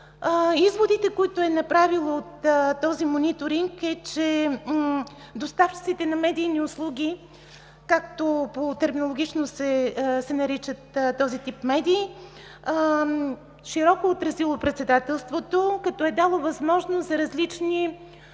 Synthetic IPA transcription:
izvod̪it̪ɛkoit̪ʊɛnɐpɾavilˠoot̪ːɔzimonit̪oɾiŋkɛt͡ʃɛ | d̪ost̪aft͡ʃit̪sit̪ɛnɐmɛd̪iːniʊslˠuɡ̟ʲi | kakt̪opot̪ɛɾminolˠoɡʲit͡ʃnosɛsɛnɐɾit͡ʃət̪ːɔzit̪ipmɛd̪iː | ʃiɾɔkoːt̪ɾɐzilˠopɾɛt̪sɛd̪at̪ɛlˠst̪vot̪okɐt̪ɔɛd̪alˠovɐzmɔʒnost̪zɐɾɐzlit͡ʃni

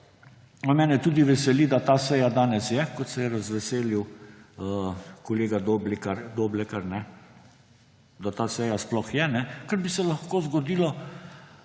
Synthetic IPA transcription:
namɛːnɛt̪uːd̪iʋɛsɛlid̪at̪aːsɛjad̪aːnɛsjɛkɔt̪sɛjɛɾazʋɛseːliwəkɔleːɡad̪oblɛkaɾd̪oːblɛkaɾnɛ | d̪at̪aːsɛjasplɔxjɛnɛkəɾbisɛlaxkoːzɡɔd̪iːlɔ

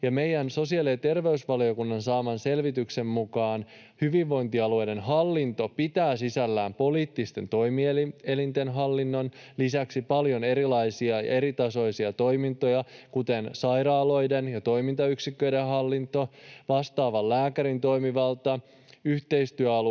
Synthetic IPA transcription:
jɑmejænso̞siɑliet̪e̞rʋe̞ysʋɑlio̞kunːɑnsɑːmɑnse̞lʋit̪ykse̞mmukɑːn | hyʋiʋʋːo̞jnt̪iɑlue̞jde̞nɦɑlːint̪o̞pit̪æːsisælːæːmpo̞liːt̪ːist̪e̞nt̪o̞jmiele̞lint̪enɦɑlːinːo̞nlisæksipɑljo̞ne̞ɾilɑjsiɑɑ̰e̞ɾit̪ɑso̞jsiɑt̪o̞jmint̪o̞jɑkut̪ensɑjɾɑːlo̞jdenjɑt̪o̞jmint̪ɑyksikːøjdeɦɑlːint̪o̞ʋɑst̪ɑːʋɑlːæːkæɾint̪o̞jmiʋɑlt̪ɑ | yht̪e̞ist̪yæɑl

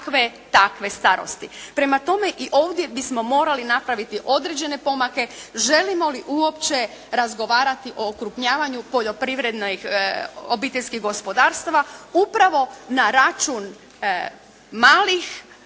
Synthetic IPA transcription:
kʋet̪akʋe̞st̪aɾo̰st̪ipɾe̞mat̪o̞me̞ʔiʔo̞ːʋd̪je̞bismo̞mo̞ːɾalinapɾaʋit̪iʔo̞d̪ɾed͡ʑe̞ne̞po̞make̞ʒe̞limo̞liʔuo̞pt͡ɕe̞ | ɾazɡo̞ʋaːɾat̪iʔo̞ːkɾupɲaːʋaɲupo̞ʎo̞pɾiʋɾe̞d̪noxobit̪eʎʲskiɣɡo̞spo̞d̪aːɾst̪aʋaupɾaʋo̞naɾat͡ʃun | maːlix

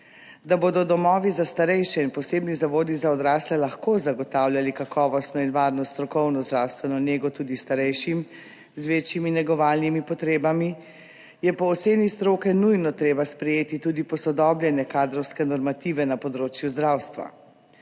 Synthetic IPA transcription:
d̪aboːd̪ɔd̪ɔmɔːʋizast̪aɾɛjʃɛinpɔseːbnizaʋoːd̪izaɔd̪ɾaːslɛlaxkoːzaɡɔt̪aːwlʲjʲalikakʰɔːʋɔst̪nɔinʋaːɾnɔst̪ɾɔkɔwnɔzd̪ɾawst̪ʋɛnɔneːɡɔt̪uːd̪ist̪aɾɛjʃim | zʋeːt͡ʃjiminɛɡɔʋaːlnimipɔt̪ɾeːbami | jɛpɔːt̪seːnist̪ɾoːkɛnujnɔt̪ɾeːbaspɾɛjeːt̪it̪uːd̪ipɔsɔd̪ɔbljɛnjɛkaːd̪ɾɔwskɛnɔɾmat̪iːʋɛnapɔd̪ɾoːt͡ʃjuzd̪ɾaːwst̪ʋa̰

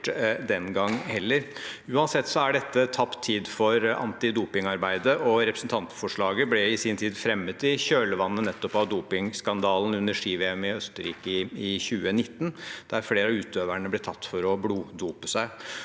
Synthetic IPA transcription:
d̪ɛnɡɑŋːhɛlːəɾʉːɑnsɛt̪ːsɔæɖɛt̪ːət̪ʰɑpt̪ʰːiːd̪fɔɾɑ̰nt̪ɪd̪uːpɪŋɑɾbæɪd̪əʔɔɾɛpɾəsn̩t̪ʰɑnt̪fɔʂɭɑːɡəblɛɪsiːnt̪ʰiːd̪fɾɛmːət̪ɪçøːləʋɑnːənɛt̪ːɔpɑʋd̪uːpɪŋskɑnd̪ɑːln̩ʉnːəʂiːʋɛɛmɪœst̪əɾḭːkəɪçʉːənɪt̪ːnd̪̥ææɾfleːɾɑʉːt̪øːʋæɳəblɛt̪ʰɑt̪ːfɔɾɔbluːd̪uːpəsæɪ

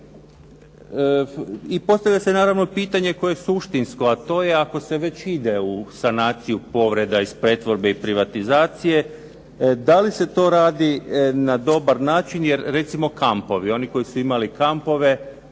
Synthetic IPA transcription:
ipo̞st̪aʋʎase̞naːɾaʋno̞piːt̪aɲe̞ko̞jesuʃt̪insko̞at̪o̞ːje̞ako̞se̞ʋe̞t͡ɕid̪e̞usanaːt̪sijupo̞ʋɾe̞d̪aispɾet̪ʋo̞ɾbe̞ipɾiʋat̪izaːt̪sije̞ | d̪alise̞t̪o̞ɾaːd̪inad̪o̞baɾnaːt͡ʃinjeɾɾe̞t̪simo̞kampo̞ʋio̞niko̞jisuimalikampo̞ʋe̞

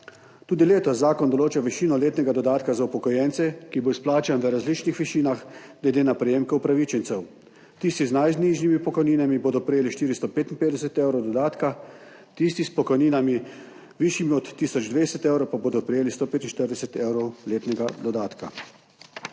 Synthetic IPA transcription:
t̪uːd̪ileːt̪ɔzːaːkɔnd̪ɔloːt͡ʃaʋiʃiːnɔleːt̪nɛɡad̪ɔd̪aːt̪kazaupɔkɔjɛnt̪sɛkiboːisplaːt͡ʃanʋəɾazliːt͡ʃnixʋiʃiːnaxɡ̥lɛd̪eːnapɾɛjeːmkɛupɾaʋit͡ʃɛnt̪sɛw | t̪iːst̪iznajzniʒnimipɔkɔjniːnamiboːd̪ɔpɾɛjeːliʃt̪iːɾist̪ɔpeːt̪inpeːd̪ɛsɛt̪eːwɾɔwd̪ɔd̪aːt̪ka | t̪is̬t̪ispɔkɔjniːnami | ʋiʃjimiɔt̪ːiːsɔd͡ʒd̪ʋeːsɛt̪eːwɾɔwpaboːd̪ɔpɾɛjeːlist̪opeːt̪in̩ʃt̪əɾd̪ɛsɛt̪ewɾɔwleːt̪nɛɡad̪ɔd̪aːt̪ka̰

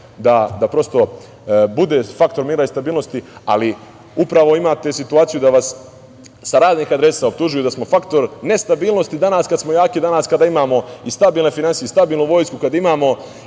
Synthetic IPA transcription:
d̪ad̪apɾo̞st̪o̞ | bud̪e̞ːfakt̪o̞ɾmiːɾaist̪abiːlˠno̞st̪ia̰li | upɾaʋo̞imaːt̪e̞sit̪uaːt̪sijud̪aʋasː | aɾaːzniːxad̪ɾe̞saop̚t̪uʒujud̪asmo̞fakt̪o̞ɾne̞st̪abiːlˠno̞st̪id̪anaskad̪smo̞jaːkid̪anaskad̪aːimaːmo̞ist̪abiːlˠne̞finansijeist̪abiːlˠnuʋo̞ːjskukad̪imaːmo̞

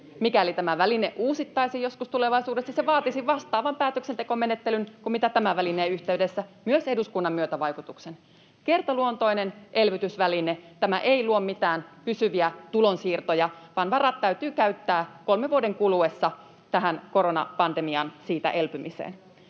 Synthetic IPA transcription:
mikælit̪æmæʋælineʔuːsit̪ːɑisijjo̞skust̪ule̞ʋɑisuːdesːɑseʋɑːt̪isiʋɑst̪ɑːʋɑmpæːt̪øksent̪e̞ko̞me̞ne̞t̪ːelynkummit̪æt̪æmæʋælineːyçt̪e̞yde̞sːæmyøse̞duskunːɑmːyøt̪æʋɑjkut̪uksen | ke̞rt̪ɑluont̪o̞jnenʔe̞lʋyt̪ysʋælinet̪æmæʔeiluommit̪æːnpysyʋiæt̪ulonsiːrt̪ojɑʋɑːnʋɑrɑt̪ːæyt̪yːkæyt̪ːæːko̞lmeʋuode̞ŋkuluesːɑ | t̪æɦænko̞ɾonɑ̰pɑnd̪e̞miɑnsiːt̪æ̰ʔe̞lpymisḛːn

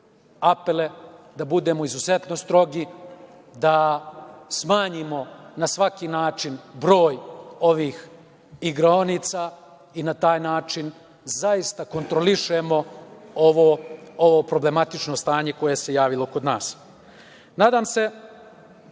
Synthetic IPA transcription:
apele̞d̪abud̪e̞ːmo̞izuzet̪no̞st̪ɾo̞ɡi | d̪a | smaːɲimo̞nasʋakinaːt͡ʂinbɾo̞ːjo̞ʋiːx | iɡɾonit̪saː | inat̪aːjnaːt͡ʃin | zaist̪ako̞nt̪ɾo̞liʃemo̞oʋoo̞ʋoːpɾo̞ble̞mat̪it͡ʂno̞st̪aːɲe̞ko̞jese̞jaːʋilo̞kod̪naːs | naːd̪aːmse̞

